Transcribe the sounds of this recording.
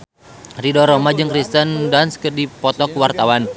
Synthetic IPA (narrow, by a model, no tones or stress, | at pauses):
ridɔɾɔmad͡ʒɨŋkɾist̪əndanskərdipɔt̪ɔkwart̪awan